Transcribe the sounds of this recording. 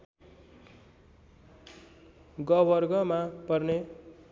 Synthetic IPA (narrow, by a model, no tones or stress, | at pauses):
ɡʌbʌrɡʌmapʌrne